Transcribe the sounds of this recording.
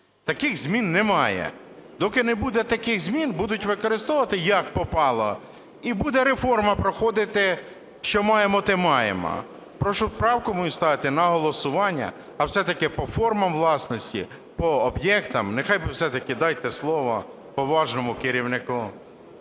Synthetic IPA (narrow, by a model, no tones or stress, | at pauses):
t̪ɐkɪɣzʲmʲinːɛmɑjɛ̰ | d̪ɔkɪnɛbud̪ɛt̪ɐkɪɣzʲmʲinbud̪ʊtʲʋɪkɔɾɪst̪ɔʋɐt̪ɪjɐkpɔpɑlˠɐ | ibud̪ɛɾefɔrmɐpɾɔxɔd̪ɪt̪ɪ | ʃt͡ʃɔmɑjemɔt̪ɪmɑjḛmɔ̰ | pɾɔʃɔpɾɑwkɔmɔjʊst̪ɑʋɪt̪ɪnɐɦɔlˠɔsʊʋɑnʲːɐ̰ː | wsɛt̪ɐkɪpɔfɔrmɐmʋlˠɑsnɔsʲtʲḭ | pɔːbjɛkt̪ɐmnexɑjbɪwsɛt̪ɐkɪd̪ɑjt̪ɛslˠɔʋɔ̰ | pɔʋɑʒnɔmʊkɪɾʲiwnɪkʊ